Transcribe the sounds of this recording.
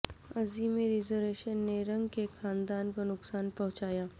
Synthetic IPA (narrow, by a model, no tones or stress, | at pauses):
ɐzimẽɾɪzəɾeːʃənːeɾɐ̃ŋɡkexãːnd̪aːnkonʊksaːnpɐ̃ɦʊ̃t͡ʃaːjaː